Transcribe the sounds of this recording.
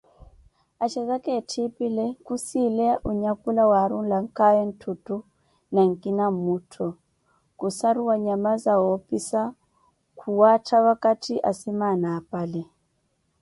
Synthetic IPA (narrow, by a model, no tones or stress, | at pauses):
at͡ʃɛzakɛtʰipilɛkusilɛaʔuɲakulawaɾuŋ̩laŋ̩kajɛn̩tʰutu | naŋ̩kʼinamutʰɔ | kusaɾuwaɲamazawɔpisa | kʰuwatʰaβakatʰiʔa̰simanaːpalɛ